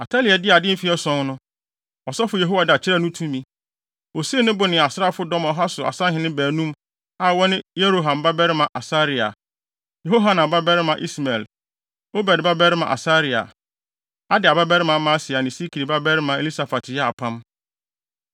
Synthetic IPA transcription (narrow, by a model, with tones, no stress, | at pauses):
a˨tʰa˦li˨ɛ˨dɪ˦a˨dɪ̃˦fi˦ɛ˦sɔ̃˦ŋnʊ̃˦ | ɔ˨sɔ˦fʊ˨je˨ɦo˦wa˨dɪ˨a˨t͡ɕʰɪ˦ɾɛ˦˨nʊ̃˦tʰũ˦mĩ˦ | o˨si˦e˦nʊ̃˦bʊ˨nɪ̃˨a˨sɪ˦a˦˨fʊ˦dɔ̃˦mɔ˨ɦa˦sʊ˨a̰˨sã˦ɦɪ̃˨nɪ̃˦bæː˨nũ˦m | a˨wɔ˦nɪ̃˦je˦ɾo˦˨ɦã˨mba˦bɛ˦ɾɪ˦mã˨ʔa˨sa˦ɾi˨a̰˨ | je˨ɦo˦ɦa˨˦nã˨ba˦bɛ˦ɾɪ˦mã˨ʔi˦sma˨l | o˦bɛ˨dba˦bɛ˦ɾɪ˦mã̰˨ʔa̰˨sa˦ɾi˨a̰˨ | a˦dɪ˨a˨ba˦bɛ˦ɾɪ˦mã˨˦mã˦sɪ˨a˨nɪ̃˨si˦kʰi˨ɾi˨ba˦bɛ˦ɾɪ˦mã˨e˨li˦sa˨fa˨tʰjɛ˦a˨pʰã˦m